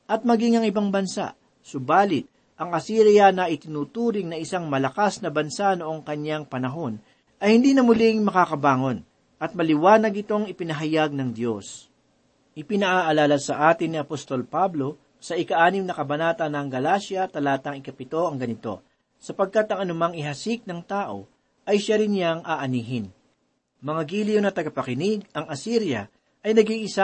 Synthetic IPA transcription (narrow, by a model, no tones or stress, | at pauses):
ʔɐt̪̚mɐɡiŋɐŋɪbaŋbɐnsa̰ʔ | sʊbaːlɪt̪̚ | ʔɐŋʔɐsiːɾɪjanɐʔɪt̪ɪnuːt̪uːɾɪŋnɐʔɪsaŋmɐlɐkasnɐbɐnsano̞ʔo̞ŋkɐɲaŋpɐnɐɦo̞n | ʔɐjhɪnd̪iːnɐmʊlɪŋmɐkakɐbaːŋo̞n | ʔɐt̪̚mɐlɪwaːnɐɡɪt̪o̞ŋɪpɪnɐɦɐjaɡ̚nɐŋd̪jo̞s | ʔɪpɪnɐʔaʔɐlaːlɐsɐʔaːt̪ɪnːiɐpost̪o̞lpablo̞ | sɐʔɪkɐʔaːnɪmnɐkɐbɐnaːt̪ɐnɐŋɡɐlaːsjɐt̪ɐlaːt̪ɐŋɪkɐpɪt̪o̞ʔɐŋɡɐnɪt̪o̞̰ | sɐpɐɡ̚kat̪ɐŋɐnʊmɐŋɪɦɐsɪk̚nɐŋt̪aːʔo̞̰ | ʔɐjʃaɾɪnjaŋʔaʔɐniːɦɪn | mɐŋaɡiːlɪjonɐt̪ɐɡɐpɐkɪnɪɡ̚ɐŋɐsiɾjɐ | ʔɐjnɐɡiŋʔɪsa